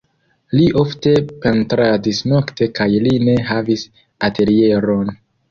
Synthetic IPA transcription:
liʔo̞fte̞pentɾadisno̞kte̞kajline̞ɦavis | atʰe̞ɾie̞ɾo̞n

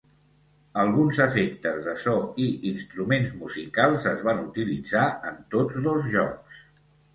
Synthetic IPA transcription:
əlˠɣunzəfek̚t̪əzðəsɔiʔinst̪ɾumenzmuzikalˠzəzβanut̪ilid͡zaənt̪od͡zðəlˠzʒɔks

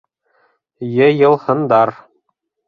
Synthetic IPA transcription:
jɘ̆jɤ̆lˠhɤ̆nd̪ɑɾ

